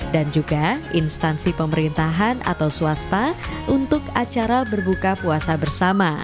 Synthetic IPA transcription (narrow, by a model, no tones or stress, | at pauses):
dand͡ʒuɡaʔinst̪ansipəməɾint̪aɦanʔa̰t̪awsuast̪aʔunt̪ʊkat͡ʃaɾabərbukapuasabərsama